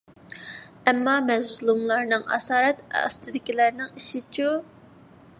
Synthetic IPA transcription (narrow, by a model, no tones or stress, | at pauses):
ɛmːɑmɛzlˠumlˠɑɾnɨŋɑ̰sɑːɾɛt̪ɑ̰st̪ʰɨd̪ɪkʲilæɾnɪŋiʃit͡ʃʰu